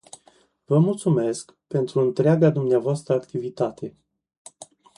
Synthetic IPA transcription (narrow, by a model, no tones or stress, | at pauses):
vəmult̪sume̞sk | pe̞nt̪ɾuɨnt̪ɾeaɡad̪umneavoast̪ɾəakt̪ivit̪at̪ʰe̞